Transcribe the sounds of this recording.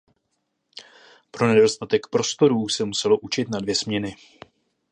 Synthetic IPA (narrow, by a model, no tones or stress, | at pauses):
pɾo̞nɛdo̞st̪at̪ɛkpɾo̞st̪o̞ɾuːsɛmusɛlo̞ʔut͡ʃɪt̪nadvjɛsmɲɛnɪ